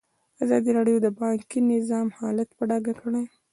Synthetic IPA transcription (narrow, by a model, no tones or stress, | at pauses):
azɑd̪iɾɑɽjod̪əbɑŋkinɪzɑmhɑlat̪paɖɑɡakəɽaj